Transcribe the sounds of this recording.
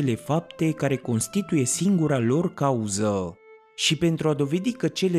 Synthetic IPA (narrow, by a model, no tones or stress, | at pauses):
ele̞fap̚t̪e̞kaɾe̞ko̞nst̪it̪uje̞siŋɡuɾalo̞rkauzə | ʃipe̞nt̪ɾuad̪o̞ve̞d̪ikət͡ʃe̞le